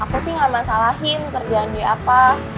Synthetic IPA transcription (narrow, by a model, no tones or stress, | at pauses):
ʔakusɪhŋamasalaɦɪnk̪ərd͡ʒiandiapa